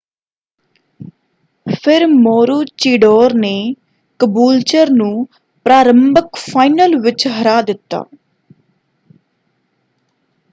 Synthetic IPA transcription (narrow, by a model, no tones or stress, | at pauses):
pʰɪɾmoːɾuːt͡ʃiːɖoːɾneː | kəbuːlt͡ʃəɾnũː | pɾaːɾəmbəkpʰaːinəlʋɪt͡ʃɦəɾaːd̪ɪt̪ːa̰ː